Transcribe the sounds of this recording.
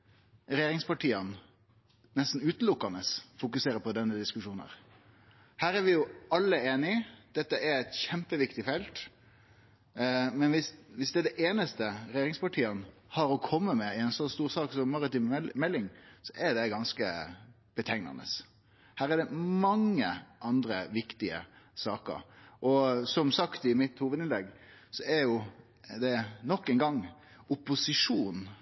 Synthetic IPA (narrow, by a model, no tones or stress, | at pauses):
ɾɛjeːɾɪŋspɑʈiːən | nɛst̪n̩ʉːt̪̩lʊkːɑnəsfʊkʉseːɾəpʰɔd̪ɛnːəd̪ɪskʉʂuːnə̰ɾ | hæːɾæɾʋɪjʊɑlːəeːnɪd̪̥ɛt̪ːəæɾɛt̪çɛmpəʋɪkt̪ɪfɛlt̪ | mɛnʋɪsʋɪsd̪ɛd̪ɛʔeːnəst̪əɾɛjeːɾɪŋspɑʈʰiːənhɑɾɔkʰɔmːəmɛɪɛnsɔst̪uːʁsɑːksɔmːɑʁɪt̪ɪmɛlːɪŋsɔʔæɖ̪ɛɡɑnskə | b̥ət̪ʰæɪŋnɑ̰nə̰s | hæːʁæɖɛmɑŋːəʔɑnd̪ɾəʋɪkt̪ɪə̰sɑːkə̰ɾʔɔsɔmsɑkt̪ɪmɪt̪huːʋəd̪ɪnlɛɡːsɔæɾjʊ | d̪ɛnɔkːɛnɡɑŋː | ʊpːʊsɪʂuːn